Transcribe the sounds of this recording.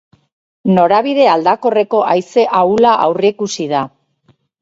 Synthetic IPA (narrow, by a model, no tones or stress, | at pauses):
no̞ɾaβ̞iðe̞ald̪ako̞re̞ko̞ʔajse̞ʔaulaʔawrekusið̞a